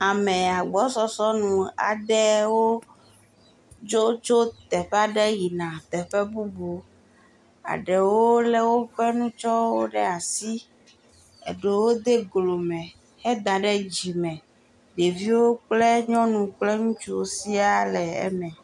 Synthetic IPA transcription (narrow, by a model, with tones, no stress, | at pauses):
a˨mɛ̃˨a˨ɡ͡bɔ˨˦sɔ˦sɔ˦nũ˨a̰˨d̪ɛ˦wo˦ | d͡ʒo˦t͡ʃo˦t̪ɛ˨ɸɛ˦a˦ɖɛ˦ji˨nã˨t̪ɛ˨ɸɛ˦bu˦bo˨ | a̰˨ɖɛ˨wwo˦lɛ˦wo˦ɸɛ˦nũ˦t͡ʃɔ˦wo˦ɖɛ˦a˨si˦ | ḛ˨ɖe˨wo˦d̪e˦ɡlo˨mɛ̃˨ | hɛ˦d̪a˨ɖɛ˦d͡ʑi˨mɛ̃˨ | ɖe˨vi˦wo˦k͡plɛ˦ɲɔ̃˦nũ˨k͡plɛ˦ŋũ˦t͡ʃu˦o˦si˦a˦lɛ˨ɛ̰˦mɛ̃˨